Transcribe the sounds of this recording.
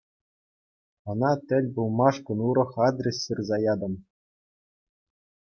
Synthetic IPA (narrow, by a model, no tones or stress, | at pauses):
ɤ̆nɑt̪ʲɘ̆lʲbulˠmɑʂkɤ̆nuɾɤ̆χɑd̪rʲesɕɯrzɑjɑd̪ɤ̆m